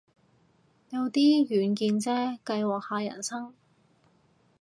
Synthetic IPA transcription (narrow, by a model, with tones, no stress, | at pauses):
jɐ˨˧wt̪iː˥jyː˨˧nkiː˧nt͡sɛː˥kɐ˧jwɔː˨˩k̚haː˨˧jɐ̰˨˩nsɐ˥ŋ